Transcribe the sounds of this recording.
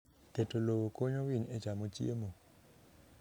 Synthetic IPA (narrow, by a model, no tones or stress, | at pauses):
ketolowokoɲowiɲɛd͡ʒamot͡ʃjemo